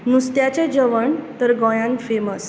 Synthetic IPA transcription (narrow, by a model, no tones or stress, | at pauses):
nust̪jat͡ɕed͡ʑəʋəɳt̪əɾɡɔ̃jãŋkfeməs